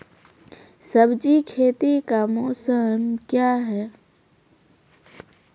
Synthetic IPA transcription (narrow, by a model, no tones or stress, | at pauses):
səbd͡ʒikʰeːt̪ikamɔːsəmkjaɦɛː